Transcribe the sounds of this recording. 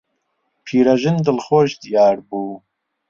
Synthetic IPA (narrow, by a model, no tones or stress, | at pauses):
pʰiːɾɐʒɨnd̪ɨlxoːʃd̪ijaːɾbuː